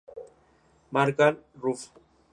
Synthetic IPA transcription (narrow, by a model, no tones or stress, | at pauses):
maɾkanruf